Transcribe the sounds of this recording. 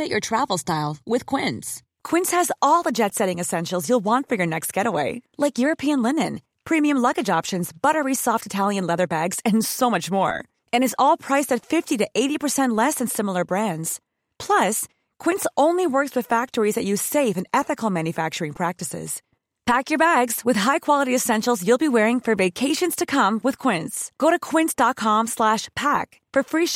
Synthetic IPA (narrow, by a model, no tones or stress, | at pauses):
ɨt͡ʃə˞tʰɹ̥ævl̩ˠstaɪlˠwɪð̥kʰw̥ɪ̃ns | kʰw̥ɪ̃nshɨzɔlˠðəd͡ʒɛtsɛɾɪ̃ŋɨsɛ̃nʃl̩ˠzjulˠwɑ̃ntfə˞jə˞nɛkst̚ɡ̥ɛɾəweɪlaɪkjʊɹɨpʰiɨ̃nlɪ̃nɨ̃n | pʰɹ̥ĩmiɨ̃mlʌɡɨd͡ʒɑpʃɨ̃nzb̥ʌɾə˞isɔftɨtʰælˠjɨ̃nlɛðə˞bæɡz̥ɨ̃nsoʊmʌt͡ʃmɔ̰ɹ | ɨ̃ñɨzɔlˠpʰɹ̥aɪsɨtfɪftiɾɨʔeɪɾipə˞sɛ̃nʔlɛsɨ̃nsɪ̃ml̩ˠə˞bɹæ̃ndz̥ | pʰl̥ʌs | kʰw̥ɪ̃ntsõʊ̃nliwɜ˞kswɨð̥fæk̚tə˞izðɨt͡ʃɨ̥seɪvɨ̃nɛθɨkl̩ˠmæ̃njɨfæk̚t͡ʃə˞ɪ̃ŋpʰɹ̥æk̚tɨsɪ̰z̥ | pʰækjə˞bæɡz̥wɨð̥ɦaɪkʰw̥ɑlˠəɾiɨsɛ̃nʃl̩ˠzjulˠbiwɛɹɪ̃ŋfə˞veɪkʰeɪʃɨ̃nz̥tʰɨkʰʌ̃mwɨð̥kʰw̥ɪ̃ntsɡ̥oʊɾɨkʰw̥ɪ̃ntsd̥ɑt̚kʰɑ̃mslæʃpʰæk | fə˞fɹi